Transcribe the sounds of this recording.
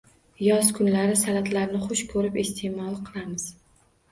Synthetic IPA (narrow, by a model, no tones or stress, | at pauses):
jɒzkʰʊnlaɾɪsalat̪ʰlaɾnɪχʊʃkʰɵɾɪpest̪ʰemɒlˠqʰɨlˠamɪz̥